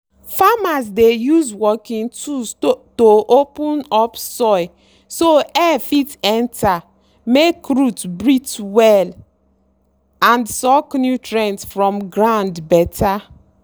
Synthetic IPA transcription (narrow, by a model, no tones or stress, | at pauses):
famas̬dejuzwɔkĩntʰustoʔopũnɔpsɔɪ | soɛfitɛ̃nta | mekɹutbɹitwɛl | ãndsɔknjutɹɛ̃ntsfɹɔ̃mɡɹãndbɛtʰa